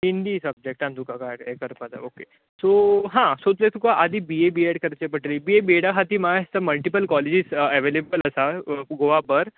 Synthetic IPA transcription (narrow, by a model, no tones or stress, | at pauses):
ɦind̪iːsəb̚d͡ʑek̚ʈãnt̪ukakajkekəɾpat̪a̰oke | soɦãsot̪let̪ukaʔad̪ʱiːbiebieɽkəɾt͡ɕepəʈɾiːbiebieɽaɦat̪iːmast̪əməlʈipəlkɔled͡ʑisɛʋelebələsaɡoʋabəɾ